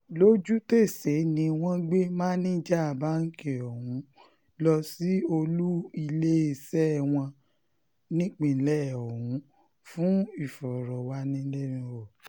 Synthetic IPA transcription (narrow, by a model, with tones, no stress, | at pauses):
lo˦d͡ʒu˦te˦˨se˨˦nĩ˧w̃ɔ̃˦ɡ͡be˦mãː˦nĩ˦d͡ʒɛ˦a˨ba˦ŋ̩˦ke˨ɔ˨hũ˨˦ | lɔ˧si˦o˧lu˦i˧le˦e˦˧˨sɛ˦˨w̃ɔ̃˧ | nĩ˦k͡pĩ˨˦lɛ˦˨ɔ˨hũ˨˦ | fũ˦i˦˨fɔ˨ɾɔ˨wa˧˦nĩ˧˦le˦mĩ˧ɔ˨